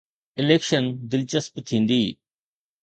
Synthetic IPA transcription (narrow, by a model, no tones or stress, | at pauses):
ɪleːkʃənd̪ɪlt͡ʃəspt̪ʰĩːnd̪iː